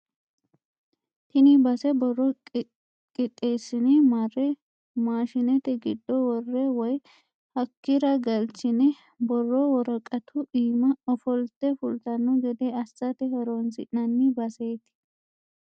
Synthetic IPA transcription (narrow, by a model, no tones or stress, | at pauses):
t̪ɪnɪbɐsɛbɔrːɔ | kʼɪt̪ʼːe̞ːsːɪnɛmarːɛ | maːʃɪnɛt̪ɛɡɪd̪ːɔwɔrːɛwɔj | hɐkːɪɾɐɡɐlt͡ʃːɪnɛ | bɔrːɔwɔɾɐkʼːɐt̪ʰʊʔiːmɐɔfɔlt̪ɛfʊlt̪ɐnːʊɡɛd̪ɛɐsːɐt̪ɛhɛɾoːnsɪ̰ʔnɐnːɪbɐseːt̪ɪ̥